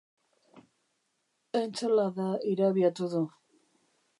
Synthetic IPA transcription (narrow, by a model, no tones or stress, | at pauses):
ent͡selaðaiɾaβiat̪uðu